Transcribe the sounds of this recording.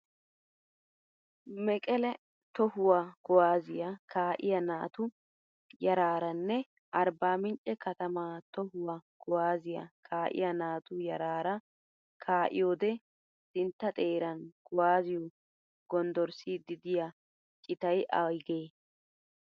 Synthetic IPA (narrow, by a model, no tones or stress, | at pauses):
mɛkʼɛlɛ | t̪ɔhʊwaɡ̥ɔwaːzɪjɐkʰaːʔɪjɐnaːt̪ʊ | jɐɾaːɾɐnːɛ | ʔɐɾbaːmɪnt͡ʃʼɛkɐt̪ɐmaːt̪ɔhʊwaɡ̥ɔwaːzɪjɐ̰kʰaːʔɪ̰jɐnaːt̪ʊjɐɾaːɾɐ | kʰaːʔɪ̰joːd̪ɛ | sɪnt̪ːɐt̪ʼe̞ːɾɐnɡ̥ɔwaːzɪjɔ | ɡ̥ɔnd̪ɔɾsid̪ɪd̪ɪjɐ | t͡ʃʼɪt̪ɐjʔɐ̰ɡeː